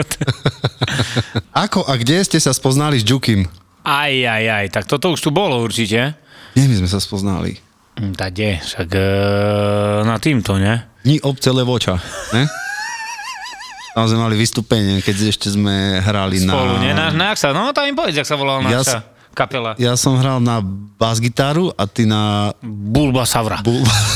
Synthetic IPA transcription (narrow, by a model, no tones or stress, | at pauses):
t̪ | akɔʔaɡɟɛscɛsaspɔznalizd͡ʒukim | ajajajt̪ak̚t̪ɔt̪ɔuʃt̪ubɔlɔuɾt͡ʃicɛɲɛmizmɛs̬aspɔzna̰lḭ | t̪aɡ̚ɛʃakː | nat̪iːmt̪ɔɲɛd̪ɲiʔɔp̚t͡sɛlɛʋɔt͡ʃaɲɛ | samzɛmɛmaliʋist̪upɛɲɪɛkɛɟɛʃcɛzmɛɦɾalinapɔluɲɛnanaaksanɔt̪aimpɔʋɛd͡ʑaksaʋɔlalnnajasa | kapɛlajasɔmɦɾalnabazɡit̪aːɾuʔat̪inabulbasaʋɾa̰bulba